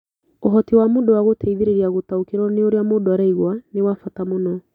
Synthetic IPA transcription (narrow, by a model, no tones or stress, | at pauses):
oɦɔtiwamodowaɣotɛiðeɾeɾiaɣotaokeɾɔneoɾeamodoaɾɛiɣwanewafatamonɔ